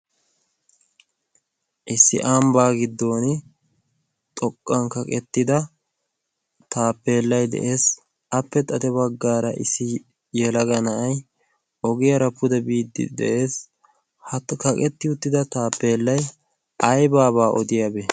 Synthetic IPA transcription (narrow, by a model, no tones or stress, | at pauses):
ʔɪsːɪ̰ʔaːmbaːɡɪd̪ːo̞ːnɪ | t̪ʼɔkʼːɐŋkɐkʼɛt̪ːɪd̪ɐ | t̪aːpːeːlːɐjd̪ɛ̰ʔeːs | ɐpːɛt̪ʼɐt̪ɛbɐɡːaːɾɐʔɪ̰sːɪ | jɛlɐɡɐnɐʔɐj | ɔɡɪjɐɾɐpːʊd̪ɛbiːd̪ːɪ̰d̪ɛ̰ʔe̞ːs | hɐkɐkʼɛt̪ːɪʊt̪ːɪd̪ɐt̪aːpːe̞ːlːɐj | ʔɐjbaːβaːʔɔd̪ɪjabɛ